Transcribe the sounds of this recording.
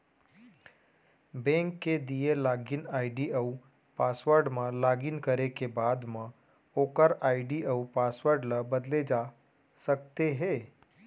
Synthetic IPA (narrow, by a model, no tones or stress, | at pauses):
bɛ̃ːŋkːed̪ielaːɡɪnaːɪɖiəu | paːsʋəɾɖmãlaːɡinkəɾekebaːd̪mã | oːkəɾaːɪɖiəupaːsʋəɾɖləbəd̪led͡ʒaː | sək̚t̪eɦeː